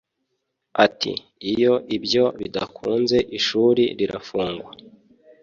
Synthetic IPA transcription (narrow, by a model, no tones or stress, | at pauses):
atʰḭ | ijo̞ʔibjo̞βidakʰuːnze̞ʔiʃuːɾiɾiɾafuːŋɡwa